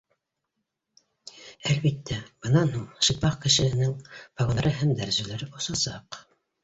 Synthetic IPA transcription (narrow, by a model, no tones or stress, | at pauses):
ælβit̪ːæb̥ɤ̆nɑnhuɴʃɤpɑqkɘ̆ʃɘ̆hɘ̆nɘŋpɑɡoɾɤɦæmd̪æɾzʉlæɾɘbusɑsɑq